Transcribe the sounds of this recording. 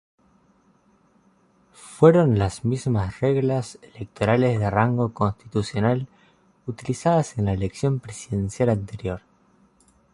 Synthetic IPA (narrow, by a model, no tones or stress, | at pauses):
fweɾo̞nlazmizmasreɣlaselek̚t̪o̞ɾalezðeraŋɡo̞ko̞nst̪i̥t̪usjo̞nal | ut̪ilisaðasenlaeleksjo̞mpɾesiðe̞nsjalant̪e̞ɾjo̞ɾ